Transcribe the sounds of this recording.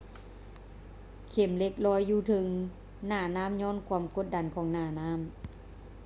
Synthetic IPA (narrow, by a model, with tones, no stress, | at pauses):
kʰe˨˩˦mle˧˥k̚lɔː˧˥jːuː˧˩t̪ʰɯ˨˦ŋ | naː˧˩naː˧˥˨mɲɔː˧˥˨nkʰuː˧˦mko˧˦t̪̚da˨˦nkʰɔː˨˦ŋnaː˧˩naː˧˥˨m